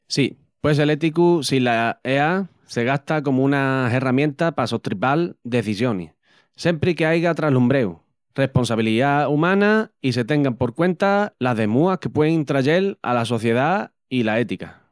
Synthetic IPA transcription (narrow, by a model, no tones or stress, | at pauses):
si | pwe̞s̬e̞le̞t̪ikusilaea | se̞ɣ̞ast̪ako̞moũnaɦe̞ramjẽ̞nt̪apasot̪ɾipald̪e̞θisjo̞nḭ | se̞mpɾike̞ajɣat̪ɾalumbɾe̞u | re̞hpo̞nsaβ̞iliðaumãnaise̞t̪e̞ŋɡampo̞ɾkwẽ̞nt̪alaɦðe̞muahke̞pwe̞ðeŋint̪ɾaʝe̞la̰laso̞θje̞ð̞a | ilae̞t̪ika